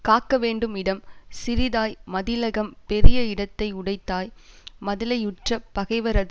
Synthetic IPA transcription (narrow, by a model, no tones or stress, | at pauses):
kaːkːɐʋeːɳɖɯmɪɽɐmsɪɾɪðaːjmɐðɪlɐɣɐmpɛɾɪjɐɪɽɐt̪ːɐɪʊɽɐɪt̪ːaːjmɐðɪlɐjʊʈrɐpɐɣɐɪʋɐɾɐð